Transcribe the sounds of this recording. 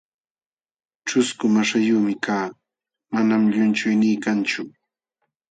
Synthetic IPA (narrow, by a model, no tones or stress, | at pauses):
ʈ͡ʂʊskʊmaʃajuːmɪkaː | manamʎʊnt͡ʃʊjnɪːkant͡ʃʊ